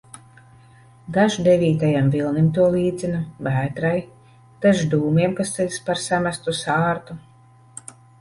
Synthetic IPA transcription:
d̪aʒd̪evʲiːt̪ajamvilˠnimt̪uɔlˠiːd̪zʲinavæːt̪ɾaj | d̪̥aʒd̪uːmiɛmkast̪ɛlʲspaɾsamast̪usaːɾt̪u

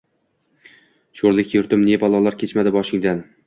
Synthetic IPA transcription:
ʃoɾlɪkʲjʊɾt̪ɪmne̞bɒlˠɒlˠaɾkʲʰe̞t͡ʃmad̪ɪbɒʃɪŋd̪an

